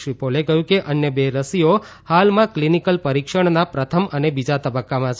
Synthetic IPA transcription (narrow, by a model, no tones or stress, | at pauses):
ʋipolekəɦjũkeʔənjəbeɾəsio | halmãklinikəlpəɾikʃəɳ̃napɾət̪ʰəmənebid͡ʒat̪əbəkːamã